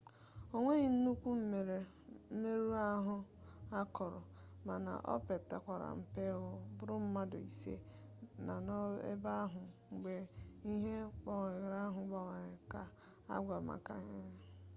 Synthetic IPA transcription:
o˨ŋʷe˦ɲi˨n̩˦nu˦kʷu˦m̩˦me˨ɾe˨ | m̩˦me˦ɾu˦a˦ɦʊ˦ | a˦kʰɔ˨ɾʊ˨ | ma˨na̰˨ʔɔ̰˦pe˨tːa̰˨kʷa˨ɾa̰˨m̩˨pe˦ʊ˦bʊ˦ɾʊ˦m̩˦ma˦do̰˨i˨sḛ˦na˨nɔ˦ḛ˦ba˦ɦʊ˨ŋ͡m̩˨ɡ͡be˨i˦ɦe˦k͡pa˨ŋ˨ɡɾa˦ɦʊ˨ɡ͡ba˨ŋa˨ɾɪ˨ka˨ | a̰˦ɡʷa˨ma̰˨ka˦ɲe˦

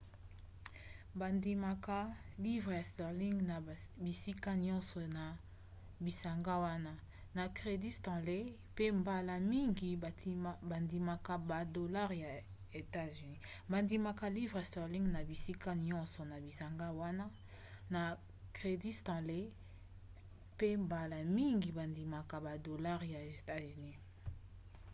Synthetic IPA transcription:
ba˨ndi˨ma˨ka˦li˦vʁe˨ja˨stɔ˨ʁli˦ŋɡna˨bi˨si˦ka˦ɲɔ̃˦sɔ˨na˨ | bi˨sa˨ŋɡa˦wa˦na˦ | na˨kʁe˨di˦stɑ̃˨le˦ | pe˦mba˨la˨mi˦ŋɡi˨˦ba˨ndi˨ma˨ka˨ba˨do˨la˦ʁja˨ | e˨ta˦zy˨ni˦ | ba˨ndi˨ma˨ka˨li˦vʁɛ˨stɔ˨li˦ŋɡna˨bi˨si˦ka˦ɲɔ̃˦nsɔ˨na˨bi˨sa˨ŋɡa˦wa˦na˦ | na˨ | kʁe˨di˦stã˨le˦ | pe˦mba˨la˨mi˦ŋɡi˨ba˨ndi˨ma˨ka˨ba˨do˨la˦ʁja˨e˨ta˦zni˦

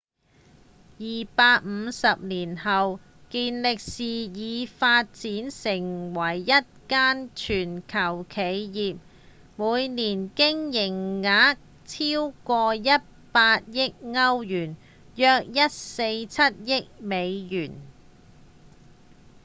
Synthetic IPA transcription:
jiː˨paː˧t̚m̩˨˧sɐ˨p̚niː˨˩nhɐ˨w | kiː˧nlɪ˨k̚siː˨jiː˨˧faː˧t̚t͡siː˨˥nsɪ˨˩ŋwɐ˨˩jːɐ˥t̚kaː˥nt͡ʃʰyː˨˩nkʰɐ˨˩wkʰe˨˧jjiː˨p̚ | muː˨˧jniː˨˩nkɪ˥ŋjɪ˨˩ŋːaː˨˥ | t͡sʰiː˥wkɔː˧jɐ˥t̚paː˧t̚jɪ˥k̚ŋɐ˥wjyː˨˩n | jœː˧k̚jɐ˥t̚se˧jt͡sʰɐ˥t̚jɪ˥k̚me˨˧jjyː˨˩n

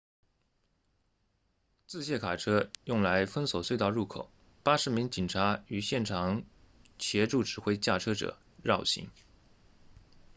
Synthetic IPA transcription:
t͡sɹ̩˥˧ɕjɛ˥˩kʰa˨˩ʈ͡ʂʰɤ˥jʊ˥˩ŋla˧˥ɪfə˥nso˨˩ʊswe˥˧ɪt̪ɑ˥˧ʊɻu˥˩kʰo˨˩˦ʊ | pa˥ʂɻ̩˧˥mi˧˥ŋt͡ɕi˨˩nʈ͡ʂʰa˧˥y˨˩ɕjɛ˥˩nʈ͡ʂʰɑ˨˧˥ŋ | t͡ɕʰjɛ˧˥ʈ͡ʂu˥˩ʈ͡ʂɻ̩˨˩xwe˥ɪt͡ɕja˥˩ʈ͡ʂʰɤ˥ʈ͡ʂɤ̰˨˩˦ | ɻɑ˥˩ʊɕḭ˧˥ŋ

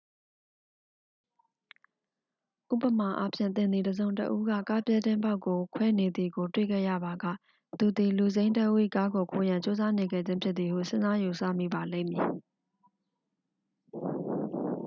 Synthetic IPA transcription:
ʔṵ˦˨pə˨ma˨ʔa˦pʰjɪ̰̃˦˨t̪ɪ̃˨nd̪ði˨dəzõ˨ʊ̃ntə̰˦ʔu˦ɡa̰˦˨ka˦pjɛ˦dɪ̃˦mba˦ʊkːo˨kʰwɛ˦ne˨d̪ði˨ɡo˨twḛ˦˨ɡɛ̰˦˨ja̰˦˨ba˨ɡa̰˦˨ | t̪u˨d̪i˨lu˨zẽ˦ɪ̃ntə˦ʔu˦ḭ˦˨ka˦ɡo˨kʰo˨jã˨ɲt͡ɕo˦za˦ne˨ɡɛ̰˦˨d͡ʑɪ̃˦mpʰjɪ˦t̪̚t̪i˨hṵ˦˨sɪ̃˦za˦ju˨sä̰˦˨mḭ˦˨ba˨lḛ̃˦˨mji˨

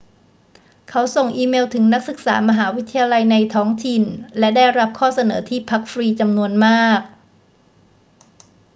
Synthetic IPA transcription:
kʰa˦˥wso˨˩ŋʔiː˧meː˧wt̪ʰɯ˩˦ŋna˦˥k̚sɯ˨˩k̚saː˩˦ma˧ɦaː˩˦wi˦˥t̪ʰːa˧jaː˧la˧jna˧jt̪ʰɔː˦˥ŋt̪ʰi˨˩nlɛ˦˥daː˥˩jɾa˦˥p̚kʰɔː˥˩sa˧nɤː˩˦t̪ʰiː˥˩pʰa˦˥k̚fɾiː˧t͡ɕa˧mnu˧ənmaː˥˩k̚

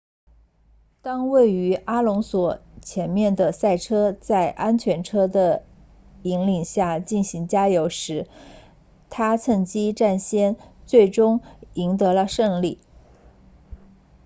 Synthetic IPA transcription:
t̪ɑ˥ŋwe˥˩ɪy˧˥a˥lʊ˧˥ŋswɔ˨˩t͡ɕʰjɛ˧˥nmjɛ˥˩nd̪ə˩sa˥˩ɪʈ͡ʂʰɤ˥t͡sa˥˩ɪʔa˥nt͡ɕʰɥɛ˧˥nʈ͡ʂʰɤ˥d̪ə˨ | i˧˥ŋli˨˩ŋɕja˥˧t͡ɕi˥˩nɕi˧˥ŋt͡ɕja˥jo˧˥ʊʂɻ̩˧˥ | t̪ʰa˥t͡sʰɤ˥˩ŋt͡ɕi˥ʈ͡ʂa˥˩nɕjɛ˥nt͡swe˥˩ɪʈ͡ʂʊ˥ŋi˧˥ŋt̪ɤ˧˥lə˧ʂɤ˥˧ŋli˥˩

